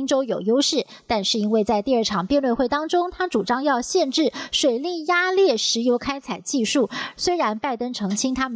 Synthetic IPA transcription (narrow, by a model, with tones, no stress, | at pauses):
ŋʈ͡ʂo˥ʊjo˨˩ʊjo˥ʊʂɻ̩˥˩ | t̪a˥˧nʂɻ̩˥˩i˥nwe˥˧ɪt͡sa˥˧ɪt̪i˥˧ə˞˥˩ʈ͡ʂʰɑ˨˩ŋpjɛ˥˧nlwe˥˧xwe˥˩ɪt̪ɑ˥ŋʈ͡ʂʊ˥ŋt̪ʰa˥ʈ͡ʂu˨˩ʈ͡ʂɑ˥ŋjɑ˥˧ʊɕjɛ˥˧nʈ͡ʂɻ̩˥˩ʂwe˨˩ɪli˥˩ja˥ljɛ˥˩ʂɻ̩˧˥jo˧˥ʊkʰa˥ɪt͡sʰa˨˩ɪt͡ɕi˥˧ʂu˥˩swe˥ɪɻa˧˥npa˥˩ɪt̪ə˥nʈ͡ʂʰɤ˧˥ŋt͡ɕʰi˥ŋt̪ʰa˥m˨